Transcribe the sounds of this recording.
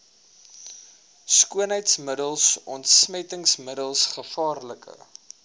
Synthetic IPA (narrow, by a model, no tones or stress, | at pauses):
skuənɦəjtsmədəlˠsɔntsmɛtəŋsmədəlˠsχəfɑːrləkə̰